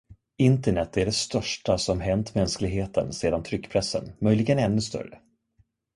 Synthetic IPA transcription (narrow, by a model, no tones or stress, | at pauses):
ɪnt̪əɳɛt̪ːæɖɛst̪œʂʈasɔmɦɛnt̪mɛnsklɪɡɦeːt̪ʰənseːd̪ant̪ʰɾʏkːpʰɾɛsːə̰nmœjlɪɡənɛnːɵst̪œ̰ɾə̰